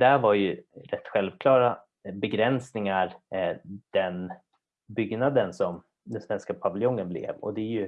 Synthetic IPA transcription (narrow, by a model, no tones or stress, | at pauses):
d̪æɾvaɾjɵɾɛt̪ːɧɛlvkʰlɑːɾa | bɛɡɾɛnsnɪŋaɾ | d̪̥ɛn | bʏɡnad̪ənsɔm | d̪ɛnsvɛnskapʰavɪljɔŋːənblɪ̰ːvɔ̰d̪ɛæɾjɵ